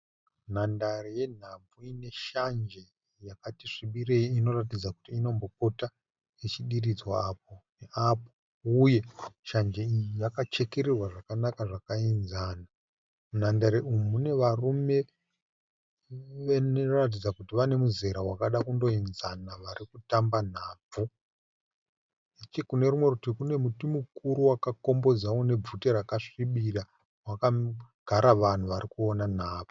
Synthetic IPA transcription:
n̤andareje̞n̤aɱvuine̞ʃand͡ʒe̞ | jakatiʂiɓireiino̞rat̬id͡zaku̥tiːno̞mbo̞k̚o̞ta | et͡ʃiɗirid͡zwaːp̚o̞neʔapo | uje̞ʃand͡ʒe̞iijakat͡ʃe̞keɾirwaʐakanakaʐakainzaːna | mun̤andaɾeumune̞ʋarume̞ | ʋenorat̬id͡zakutiʋane̞muze̞ɾawakaɗakundo̞inzanaʋaɾikutamban̤aːb͡vu | it͡ʃekune̞ɾumwe̞kutikune̞mutimukuɾuwakako̞mbo̞d͡zaone̞b͡vuteɾakaʂiɓiɗa | wakaɡ̥ʱaɾaʋan̤uʋaɾikuonan̤aːb͡vu̥

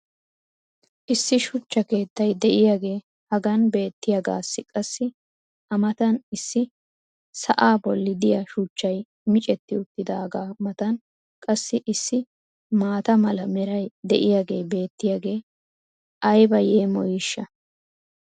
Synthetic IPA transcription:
ʔɪsːɪʃʊt͡ʃːɐke̞ːt̪ːɐjd̪ɛʔɪjaɡe̞ː | hɐɡɐnbe̞ːt̪ːɪjaɡa̰ːsːɪkʼɐsːɪ | ʔɐmɐt̪ɐnɪsːɪ | sɐ̰ʔaːbɔlːɪd̪ɪjɐʃʊt͡ʃːɐj | mɪt͡ʃʼɛt̪ːɪʊt̪ːɪd̪aːɡaːmɐt̪ɐn | kʼɐsːɪʔɪsːɪ | maːt̪ɐmɐlɐmɛɾɐjd̪ɛʔɪjaːɡe̞ːbe̞ːt̪ːɪjaːɡe̞ː | ʔɐjbɐjeːmɔ̰jɪʃːɐ

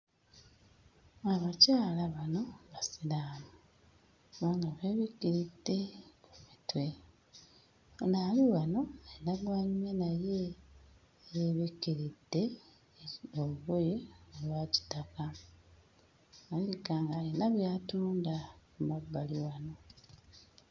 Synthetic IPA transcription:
aβacaːlaβano̞βasilaːmu | kuβaːŋɡaβeβikːiɾid̥ːe̞kumitwe̞ | onaːliwano̞enaɡwaɲumenaje̞ | jeβikːiɾid̥ːe̞ | oβuβojeolwaːci̥taka | aliɡaːŋɡainaβjaːtuːndakumabːaliwano̞

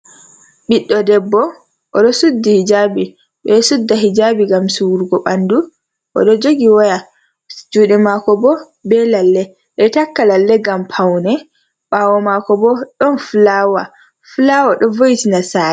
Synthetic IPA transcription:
ɓiɗːɔdɛbːɔ | ʔɔɗɔsudːihid͡ʒabi | ɓɛsudːaɦid͡ʒabiɡamsuwuɾɡɔɓandu | ʔɔ̰ɗɔd͡ʒoɡiwaja | d͡ʒuɗɛmakɔbɔ | bɛlalːɛ | ɗɛtakːalalːɛɡampʰawnɛ | ɓaːwɔmakɔbɔɗɔnflawa̰ | fulawaɗɔvojitinasaːɛ

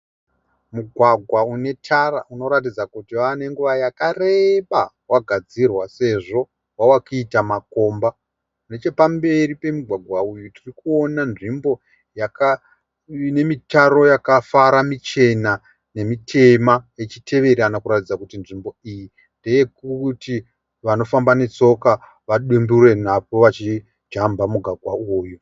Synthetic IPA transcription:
muɡʱwaɡʱwaune̞tʰara̰ʔuno̞ɾatid͡zakutiane̞ŋɡuʋajakare̞ɓa | waɡʱad͡zirwase̞ʐo̞ | wawakitamako̞ːmba | kune̞t͡ʃe̞pambe̞ɾipe̞muɡʱwaɡʱwaujutirikuonanʐimbo̞ | jaka | ne̞mitaro̞jakafaɾamit͡ʃe̞na | ne̞mitʰe̞maje̞t͡ʃitʰe̞ʋe̞ɾanakuɾatid͡zakutinʐimbo̞iji | nde̞je̞kuti | ʋano̞fambane̞t͡so̞ka | ʋaɗumbure̞napo̞ʋat͡ʃi | d͡ʒambamuɡʱwaɡʱwauːju

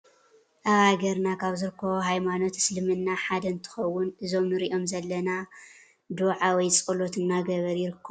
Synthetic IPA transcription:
ʔɐɣaɡɐɾnakʰaβzɨɾɨkʰːɐβoɦajmano̞t̪slɨmɨnːaħad̪ɐnt̪ʰɨ̥xɐwːʊnʔɨzo̞mnɨɾiʔo̞mzɐlːɐna | d̪uʕawɔjt͡sʼɐlo̞t̪ʰɨnnaɡɐβɐɾjɪɾɨkʰːɐ

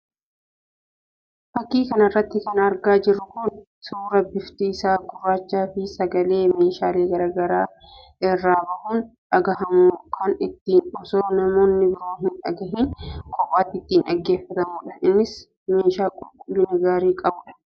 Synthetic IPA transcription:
fɐkːiːkɐnɐrːɐt̪ːɪkɐnɐɾɡaːd͡ʒɪrːʊkʊn | suːɾɐbɪft̪iːsaːɡʊrːaːt͡ʃːaːfɪsɐɡɐle̞ːme̞ːʃaːleːɡɐɾaːɡɐɾaː | ɪrːaːbɐʔuːnᶑɐɡɐɦɐmukʰɐnɪt̪ːiːnɔsoːnɐmo̞ːnːɪbɪɾoːɦɪnᶑɐɡɐɦɪnkʰʼɔpʼːaːt̪ːɪt̪ːiːnᶑɐɡːe̞ːfːɐt̪ɐmuːᶑɐ̥ɪnːɪs | meːʃaːkʼʊlkʼʊlːɪnɐɡaːɾiːkʼɐbʊᶑɐ̥

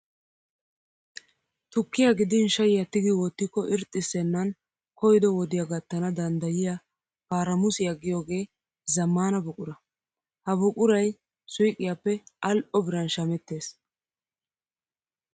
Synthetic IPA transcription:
t̪ʊkːɪjaɡɪd̪ɪnʃɐjɪjat̪ːɪɡɪwɔt̪ːɪkːɔʔɪɾt̪ʼːɪsːɛnːɐn | kɔjd̪ɔwɔd̪ɪjaɡɐt̪ːɐnɐd̪ɐnd̪ɐjɪja | paːɾɐmʊsɪjaɡɪjo̞ːɡe̞ː | zɐmːaːnɐbʊkʼʊɾɐ | hɐbʊkʼʊɾɐj | sʊjkʼːɪjaːpːɛʔɐlʔɔbɪɾɐnʃɐmɛt̪ːe̞ːs

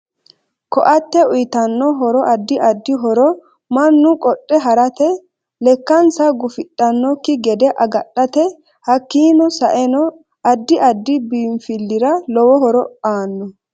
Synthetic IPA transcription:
kɔʔɐt̪ːɛʊjt̪ɐnːɔɦɔɾɔʔɐd̪ːɪʔɐd̪ːɪɦɔɾɔ | mɐnːʊkʼɔɗʼːɛɦɐɾɐt̪ɛ | lɛkːɐnsɐɡʊfɪtʼːɐnːɔkːɪɡɛd̪ɛʔɐɡɐɗɐt̪ɛ | hɐkːiːnɔsɐʔɛnɔ | ɐd̪ːɪʔɐd̪ːɪbiːmfɪlːɪɾɐlɔwɔɦɔɾɔaːnːɔ

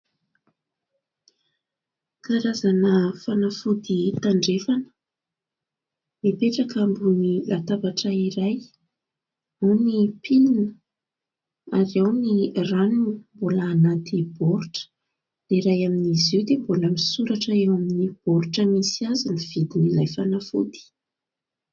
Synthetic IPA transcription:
kaɾazanəfanafud̪it̪aɳɖ͡ʐefanə̥ | mipeʈ͡ʂakambunilat̪avaʈ͡ʂəiɾaj | munipʰilinə | aɾewniranunimbolaːnat̪ʰib̥ɔɾuʈ͡ʂə̥ | d̪̥eiɾajaminiziwd̪emboləmisuɾaʈ͡ʂəewaminib̥ɔɾuʈ͡ʂəmisiazuniv̥id̪inilajfanafṵd̪i̥

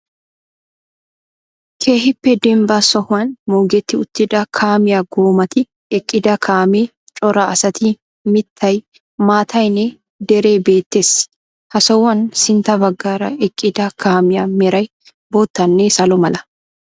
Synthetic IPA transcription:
kʰe̞ːɦɪpːɛd̪ɛmbɐsɔhʊɐnmoːɡɛt̪ːɪʊt̪ːɪd̪ɐkʰaːmɪjɐɡoːmɐt̪ɪ | ɛkʼːɪd̪ɐkʰaːme | t͡ʃʼɔɾɐɐsɐt̪ɪ | mɪt̪ʰːɐj | maːt̪ʰɐjnɛ | d̪ɛɾe̞ːbe̞ːt̪ːes | hɐsɔwːɐnsɪnt̪ɐbɐɡːaːɾɐɛkʼːɪd̪ɐkʰaːmɪjɐmɛɾɐj | boːt̪ːɐnːeːsɐlɔmɐlɐ

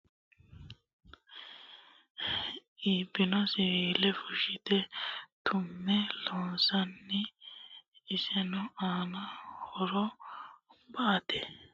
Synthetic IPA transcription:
iːbɪnɔsɪiːlɛfʊʃɪt̪ɛt̪ʰʊmːɛloːnsɐnːɪː | sɛnɔaːnɐhɔɾɔ | bat̪ɛ

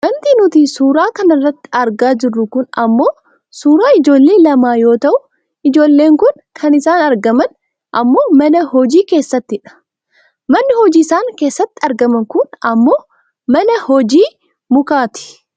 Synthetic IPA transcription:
mɐnt̪inʊt̪isuːɾaːkɐnɐrːɐt̪ːɪ̥ɐɾɡaːd͡ʒɪrːʊkʊnɐmːo̞ː | suːɾaːɪd͡ʒo̞ːlːe̞ːlɐmaːjo̞ːt̪ɐʔʊ | ʔɪd͡ʒo̞ːlːe̞ːŋkʊn | kʰɐnɪsaːnɐɾɡɐmɐn | ʔɐmːo̞ːmɐnɐhɔd͡ʒiːke̞ːsːɐt̪ːɪᶑɐ̥ | mɐnːɪhɔd͡ʒiːsaːŋke̞ːsːɐt̪ːɪ̥ɐɾɡɐmɐŋkʊnɐmːo̞ː | mɐnɐhɔd͡ʒiː | mʊkaːt̪ɪ̥

